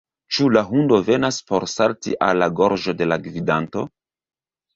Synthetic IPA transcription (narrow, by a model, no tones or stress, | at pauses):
t͡ʃulaɦundo̞ve̞naspo̞ɾsaltiʔa̰lːaɡo̞ɾʒo̞de̞laɡvidanto̞